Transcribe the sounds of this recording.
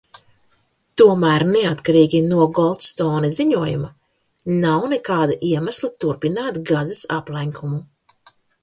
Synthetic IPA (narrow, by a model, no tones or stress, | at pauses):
t̪uɔmæːɾnɛat̪kaɾiːɡʲinuɔɡɔlˠt̪st̪ɔːneziɲuɔjṵma | nawnɛkaːd̪aʔiɛmaslˠat̪uɾpinaːt̪ɡad̪asa̰plˠajŋkʰumu